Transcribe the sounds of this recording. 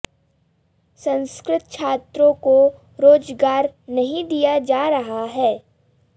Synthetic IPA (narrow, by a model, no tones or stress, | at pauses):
sɐ̃nskɾɪt̪̚t͡ʃʰaːt̪ɾõko | ɾoːd͡ʒɡaːɾnɐɦĩd̪ijad͡ʒaːɾɐɦaɦɛː